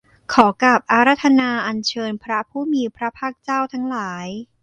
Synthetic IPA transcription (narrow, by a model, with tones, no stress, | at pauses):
kʰɔː˩˦ka˨˩p̚ʔa˧˥ɾa˦˥t̪ʰːa˧naː˧ʔa˧nt͡ɕʰɤː˧npʰɾa˦˥pʰuː˥˩miː˧pʰɾa˦˥pʰaː˥˩k̚t͡ɕaː˥˩wt̪ʰa˦˥ŋlaː˩˦j